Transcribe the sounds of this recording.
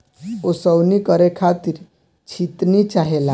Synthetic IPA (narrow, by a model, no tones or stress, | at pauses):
osəwnikəɾekʰat̪iɾ | t͡ʃʰit̪nit͡ʃaɦela